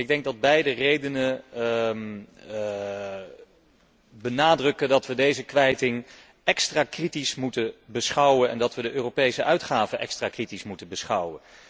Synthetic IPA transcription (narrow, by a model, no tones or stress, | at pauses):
ɪɡ̚dɛŋɡ̚dɑd̚bɛjdərejdənə | m | bənaːdrɵkədɑtʋədejzəkʋɛjtɪŋ | ɛkstraːkritismutəbəsχɑwənɛ̰ndɑtʋədəʔøːrowpejsəʔœɥtχaːvənʔɛ̰kstraːkritismutəbəsχɑwən